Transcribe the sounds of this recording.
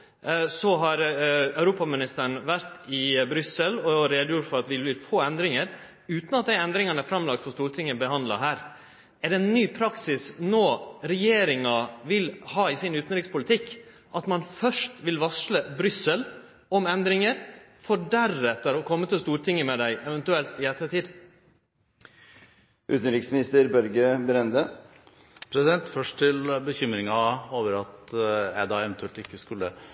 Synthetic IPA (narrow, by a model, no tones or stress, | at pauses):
sɔɦɑɾœʉɾuːpɑmɪnɪst̪əɳ̩ʋæɾt̪ɪbɾʏsəlɔɾeːd̪jʊʈfɔɾɑt̪ʋɪbɪfoːɛnd̪ɾɪŋəɾ | ʉːt̪nɑt̪̚d̪æɪɛnd̪ɾɪŋɑnəæfɾɑmːlɑk̚t̪fɔst̪uːɾʈ̪ʰɪŋːəbəɦɑnd̪lɑ̰ɦæːɾ | ɛɖɛɛnːyːpʰɾɑksɪsnoːɾɛjeːɾɪŋɑʋɪlhɑːɪsɪnʉːt̪n̩ɾɪkspʰʊlɪt̪ʰɪkː | ʔɑt̪mɑnfœʂʈʋɪlʋɑsləbɾʏsəl | ɔmɛnd̪ɾɪŋəɾfɔɖæɾɛt̪ːəɾɔkʰɔmːət̪ɪlst̪uːɾʈ̪ʰɪŋːəmɛd̪æɪʔɛʋɛnt̪ʉɛlt̪ɪɛt̪ːəʈiːd̪ | ʔʉ̰ːt̪n̩ɾɪksmɪnɪst̪əɾbœɾɡəbɾɛnd̪ə | pʰɾɛsɪd̪ɛnt̪fœʂʈʰɪlbəçʏmɾɪŋɑoːʋəɾɑt̪ɛd̪ɑːɛʋɛnt̪ʉɛlt̪ɪkːəskʉlːə̰